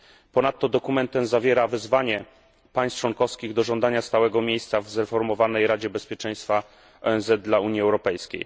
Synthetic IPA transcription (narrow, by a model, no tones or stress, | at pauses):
pɔnat̪ːɔd̪ɔkumɛnt̪ɛmzavʲjɛɾavɘzvaɲɛ | paj̃st͡ʂwɔŋkɔfskʲiɣd̪ɔʐɔnd̪aɲast̪awɛɡɔmʲjejst̪savzɾɛfɔɾmɔvanɛjɾad͡ʑɛbɛspʲjɛt͡ʂɛ̃j̃st̪fa | ɔ̰ɛnzɛd̪̚d̪lauɲjiɛwɾɔpɛjskʲḛj